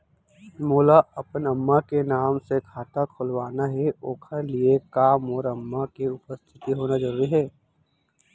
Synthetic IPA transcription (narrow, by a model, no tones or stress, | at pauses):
moːlaɐpənɐmːakenaːmsekʰaːt̪akʰʊlʋaːnaɦɛoːkʰəɾliekaːmoːɾɐmːakiʊpəst̪ʰɪ̥t̪iɦoːnazəɾuːɾiɦɛː